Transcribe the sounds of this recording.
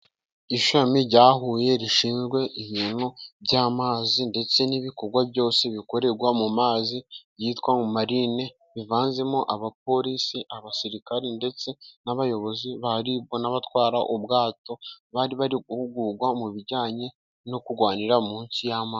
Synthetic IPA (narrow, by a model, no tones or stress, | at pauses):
iʃamiɟaːɦuːje̞ɾiʃiːnzɡwe̞ʔiβiːn̥hubɟaːmaːzinde̞t͡se̞niβiko̞ɾɡwabɟo̞ːse̞βiko̞ɾe̞ɾɡwamumaːzibjiːtkwaŋumaɾine̞ | βivaːnze̞moʔaβap̚o̞ɾisiʔaβasiɾikaɾende̞t͡se̞naβajo̞βo̞ziβaɾibɡo̞naβatwaːɾaʔubɡaːto̞βaːɾiβaɾiɡuhuɡuɡwamuβiɾɟaːɲe̞ | no̞kuɡwaːniɾamuːnsijamaː